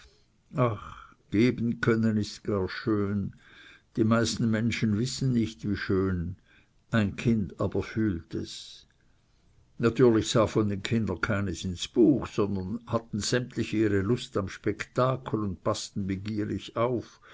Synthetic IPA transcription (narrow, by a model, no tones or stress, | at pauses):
aχ | ɡ̥eːbən̩kʰœnənɪstɡ̥aːɐʃøːnd̥imaɪstn̩mɛnʃənvɪsən̩nɪçtviːʃøːn | ʔaɪnkʰɪndaːb̥ɐfyːltɛs | natʰyːɐlɪçsaːfɔndenkʰɪndənkʰaɪnəsɪnsb̥uːxsɔnd̪ɐnhatn̩z̥ɛmtlɪçiːʁelʊstamʃpɛktaːkʰlʊnd̚pastn̩bəɡiːʁɪçaʊf